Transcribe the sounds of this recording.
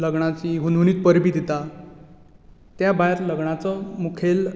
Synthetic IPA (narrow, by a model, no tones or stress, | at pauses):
ləɡɳ̃at͡ɕiɦunʱuniːt̪pəɾbiːd̪it̪a | t̪jabajɾləɡɳ̃at͡sɔmukʰel